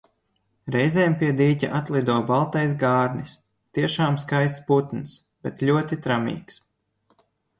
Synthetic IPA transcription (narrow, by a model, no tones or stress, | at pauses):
ɾɛjzɛːmpiɛd̪iːcʲa̰ʔat̪lˠid̪uɔbalˠt̪ajs̬ɡaːɾnis | t̪iɛʃaːmskajst̪sput̪ns | b̥ɛt̪lʲuɔt̪it̪ɾamḭːks